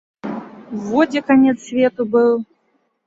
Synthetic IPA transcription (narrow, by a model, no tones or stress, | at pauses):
vɔd͡zʲɛkanʲɛt̪sʲsʲvʲɛt̪ubɨlˠ